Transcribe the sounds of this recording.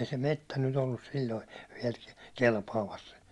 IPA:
ei se metːæ nyt olːus silʲloi ʋiɛl kelpɑːmɑs

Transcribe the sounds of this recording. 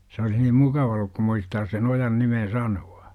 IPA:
s olih nim mukɑʋɑ olːuk kum muistɑːs sen ojɑn nimen̞ sɑnuɑ̥

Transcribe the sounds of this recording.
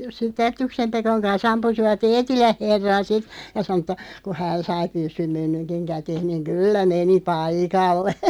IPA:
sitˑ ætːyksem pekoŋ kɑns ɑmpusiʋɑt eːtilæh̆ herːɑn̞ sit jɑ sɑno tˑɑ ku hæːn sɑi pysːym kæteːh̆ niŋ kylːæ meni pɑikɑlːe

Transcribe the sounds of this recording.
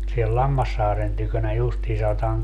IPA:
siel lɑmːɑsːɑːren tykønæ justiː sɑotɑːŋ

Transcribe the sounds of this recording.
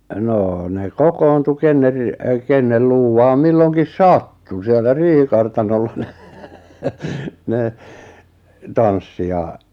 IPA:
noː ne kokoːntu kenːer ri kenːel luːwɑːm milːoŋkis sɑtːu sielːæ riːhikɑrtɑnolːɑ n̥e̥ ne tɑnsːi jɑ

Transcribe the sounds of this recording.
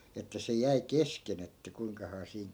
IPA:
etːæ se jæi kesken etːæ kuiŋkɑhɑː siːŋ

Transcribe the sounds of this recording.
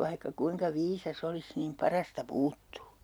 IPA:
ʋɑihkɑ kuiŋkɑ ʋiːsɑs olis niːm pɑrɑstɑ puːtːuː

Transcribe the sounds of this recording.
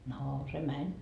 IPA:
noː se mænʲ

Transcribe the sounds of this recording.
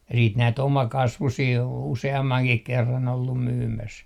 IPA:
jɑ siːt næit omɑkɑsʋusiː oːn useɑmːɑŋkih kerːɑn olːum myːmæs

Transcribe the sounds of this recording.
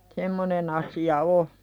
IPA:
semːonen ɑsiɑ o

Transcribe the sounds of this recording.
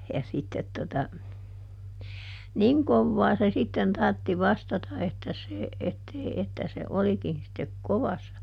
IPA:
jɑ sitːet totɑ niŋ koʋːɑː se sitːen tɑrtːi ʋɑstɑtɑ etːæ se etːei etːæ se olikin̞ sitːek koʋɑsːɑ

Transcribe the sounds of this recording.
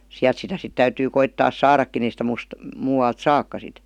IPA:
siæl̆t sitæ sit tæytyː koitːɑːs sɑːrɑkːin ei sĭtæ muːs muːwɑlt sɑkːɑ sit

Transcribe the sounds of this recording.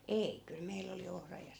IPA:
ei kyl meilː oli ohrɑ jɑ

